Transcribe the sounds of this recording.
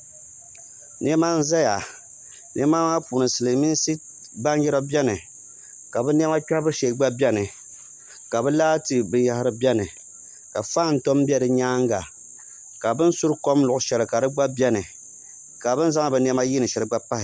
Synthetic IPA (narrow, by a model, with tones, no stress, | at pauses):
nɛ˦ma˦n̩˦za˦ja˨ | nʔɛ˦ma˦ma˦puː˨nɨ˨sɨ˨lɨ˨mi˦n˦si˦ | ba˦n˦jɛ˦ɾa˦bɛ˦nɨ˨ | ka˨bɛ˦n˦ɛ˦ma˦ka˦bɨ˦ʃe˨ɡ͡ba˦bɛ˦nɨ˨ | ka˨bɨ˦laː˦tɨ˨bɨ˨˦ja˦hɪ˦ɾɨ˦bɛ˦nɨ˨ | ka˨faː˦˨n̩˨to˦m˦bʲɛ˦dɨ˨ɲaː˦ŋɡa̰˨ | ka˨bɨ˦n˦su˦ɾko˦mlʊ˨ʔʊ˨ʃɛ˨lɨ˨ka˨dɨ˦ɡ͡ba˦bjɛ˦nɨ˨ | ka˨bɨ˦n˦za˦ŋ˦˨bɨ˨n˦ɛ˦ma˦ji˦nɨ˨ʃɛ˨ɾɨ˦ɡ͡ba˦pa˦hɪ˨